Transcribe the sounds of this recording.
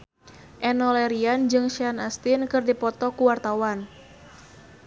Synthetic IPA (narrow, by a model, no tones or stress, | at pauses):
ʔɛnɔlɛɾiand͡ʒɨŋʃianast̪ɪnkɨrdipɔt̪ɔkuwart̪awan